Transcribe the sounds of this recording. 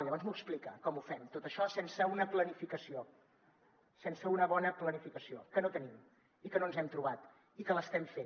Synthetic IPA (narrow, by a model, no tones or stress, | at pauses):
ʎəβɔnzmuəksplikəkɔmufɛmt̪ot̪əʃɔsensəunəplənifikəsio | sensəunəβɔnəplənifikəsiokənot̪ənim | ikənoənzɛmt̪ɾuβat̪ | ikələst̪ɛmfen